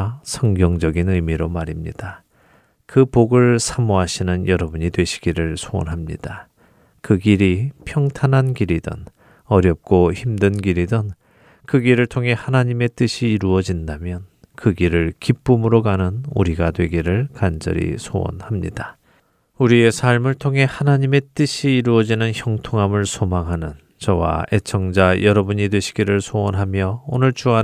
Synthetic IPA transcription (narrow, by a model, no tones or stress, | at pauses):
sʰʌŋɡjʌŋd͡ʑʌɡinɯmiɾomaɾimɲḭd̥a | kɯpoɡɯɭsʰamuɦaɕʰinɯnjʌɾʌbuɲidwe̞ɕʰi̥ɡ̥iɾɯɭsʰoo̰nɦamɲḭd̥a | kɯɡiɾipʰjʌŋtʰanɦankiɾidɯ̰n | ʌɾjʌp̚k͈oçimdɯnɡiɾidɯn | kɯɡiɾɯɭtʰoŋɦe̞hanaɲime̞t͈ɯɕʰiːɾuʌd͡ʑindamjʌnkɯɡiɾɯɭkip͈umɯɾokanɯnuɾiɡadwe̞ɡiɾɯɭkand͡ʑʌ̰ɾḭsʰo̰wʌ̰nhamɲḭd̥a | uɾie̞sʰaɭmɯɭtʰoŋɦe̞hanaɲime̞t͈ɯɕʰiːɾuʌd͡ʑinɯnçjʌŋtʰoŋɦamɯɭsʰomaŋɦanɯn | t͡ɕʌwa̰e̞t͡ɕʰʌŋd͡ʑajʌɾʌbuɲidwe̞ɕʰi̥ɡiɾɯɭsʰoʌnɦamjʌonɯɭt͡ɕua